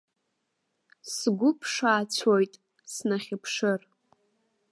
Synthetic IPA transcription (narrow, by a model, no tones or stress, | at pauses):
sɡʷʊpʰʂaːt͡ɕʷʰojtʼ | snaχʲɪpʰʂɨr